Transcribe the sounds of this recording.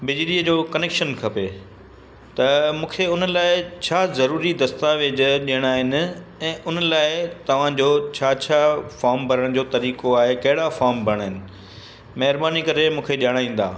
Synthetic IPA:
bɪd͡ʑɪliəd͡ʑoːkɐneːkʃənkʰɐpe | t̪ɐmũːkʰeʊnəlaːɪt͡ɕʰaːzɐɾuːɾid̪ɐst̪aʋeːd͡ʑɗijəɽ̃aːɦɪnɪ̆ɛ̃ːʔʊnəlaːɪt̪ɐʋ̤ãd͡ʑoːt͡ɕʰaːt͡ɕʰaːfaːɾmbʱɐɾəɽ̃d͡ʑoːt̪ɐɾiːkoaːɦekɐɦɪɽafaːɾmbʱɐəɽ̃ɦɪnɪ̆ | mɐɦɪɾbaːnikɐɾemũːkʰeɗiəɽaːĩːn̆d̪a̰ː

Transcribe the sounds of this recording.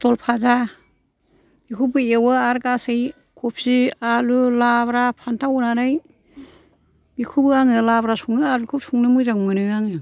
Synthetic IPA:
tɔlpʰaza | bikʰubɯewɯaɾkasɯj | kʰup̚sialulabɾapʰantʰawunanɯj | bikʰubɯaŋɯlabɾasuŋnɯaɾukʰup̚suŋnɯmɯzaŋmɯnɯaŋɯ

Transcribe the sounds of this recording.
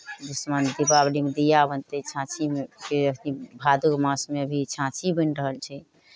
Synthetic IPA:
d̪usmand̪ibablimed̪ijabənt̪ət͡ʃʰãt͡ʃʰimkeəkʰnibʱad̪ukmãsmeəbʱit͡ʃʰãt͡ʃʰibənɾəɦəlt͡ʃʰɛ

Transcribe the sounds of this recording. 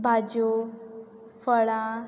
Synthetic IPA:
bʱad͡ʑo | fəɭã

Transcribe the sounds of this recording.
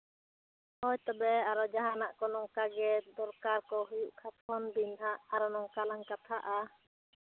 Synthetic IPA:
hɔjt̪ɔbɛaɾɔd͡ʒaɦanaʔkɔnɔŋkaɡɛd̪ɔɾkaɾkɔɦujuʔkʰat̪ʰɔnbinɦaʔaɾɔnɔŋkalaŋkat̪ʰaʔa

